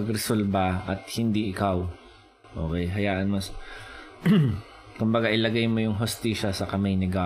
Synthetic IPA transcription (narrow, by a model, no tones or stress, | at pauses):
ɐɡɾɛsolbɐʔɐt̪̚hɪnd̪iʔɪkaw | ʔo̰ːkɛjɦɐjaːʔɐnmɐs | kʊmbɐɡaʔɪlɐɡajmo̞jʊŋɦost̪iːʃɐsɐkɐmajnɪɡaː